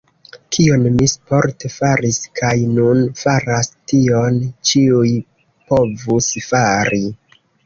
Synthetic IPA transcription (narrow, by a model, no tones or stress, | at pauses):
kʰio̞nmispo̞ɾtefaɾiskʰajnunfaɾastiont͡ʃiuj | po̞vusfaɾi